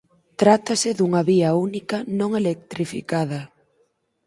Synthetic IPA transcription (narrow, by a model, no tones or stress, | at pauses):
t̪ɾat̪ɐsɪðuŋɐβiɐunikɐnõŋelek̚t̪ɾifḭkaðɐ